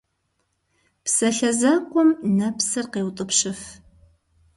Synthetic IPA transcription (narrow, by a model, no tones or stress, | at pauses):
psɐɬɐzɐqʷɔmnɐpsɨrqeːwt̪ʼɨpʂɪf